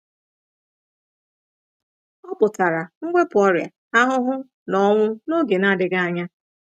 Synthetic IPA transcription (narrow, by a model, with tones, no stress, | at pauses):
ɔ˦pʊ˨ta˨ɾa˨ŋ̩˦ɡʷe˦pʊ˨ɔ˦ɾja̰˨ | a˦ɦʊ˦ɦʊ˦ | nɔ˦ŋʷʊ˦no˦ɡe˨na˦dɪ˨ɡa˦a˦ɲa˦